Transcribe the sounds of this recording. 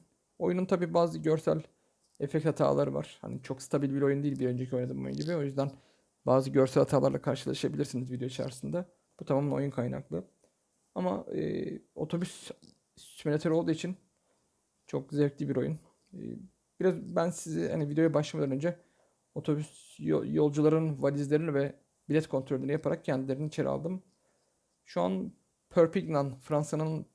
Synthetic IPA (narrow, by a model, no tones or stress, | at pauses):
o̞jununt̪ʰabiːbaːzɯɟøɾsæ̰lʲ | ɛfɛct̪hat̪ʰa̰ːlˠaɾɯva̰ɾ̥ha̰nit͡ʃʰo̞kst̪ʰabilʲbiɾo̞jund̪eilʲbiɾø̞nd͡ʒecʰio̞jnad̪ɯmo̰jṵnɟibio̞jyzd̪æn | baːzɯɟøɾsælʲhat̪ʰaːlˠaɾlˠakʰaɾʃɯlˠaʃɯabilʲiɾsinizvid̪ejoit͡ʃʰa̰ɾɯsɯnd̪a | b̥ut̪ʰamamo̞̰junkʰajna̰klˠɯ | ama̰ɯ̰ːo̞̰t̪ʰo̞bys | sy̥t͡ʃmelʲet̪ʰøɾo̞lˠd̪uːit͡ʃʰin | t͡ʃʰo̞kzɛvc̪lʲibiɾo̞jun̰ː | biɾazbænsizḭha̰nivid̪ejo̞jabaʃlˠamad̪anø̞nd͡ʒɛ | o̞t̪ʰo̞bys | jo̞lˠd͡ʒulˠaɾɯnvalʲizlʲe̞ɾinivɛ | bilʲɛt̪kʰo̞nt̪ʰɾolʲːynijapʰaɾak̚cʰɛnd̪ilʲeɾiniit͡ʃʰe̞ɾḭa̰lˠd̪ɯm | ʃua̰n | pʰøɾpiɡnanfɾansanɯn